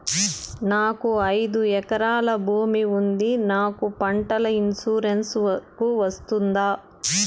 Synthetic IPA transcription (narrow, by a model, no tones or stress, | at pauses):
naːkuɐjd̪uɛkɐɾaːlɐbʱuːmiund̪inaːkupɐɳʈɐlɐinsuːɾenskuʋɐst̪und̪aː